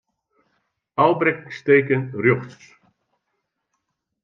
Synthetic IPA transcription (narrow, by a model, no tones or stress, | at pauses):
alˠbɾɛksteːkənrjoxs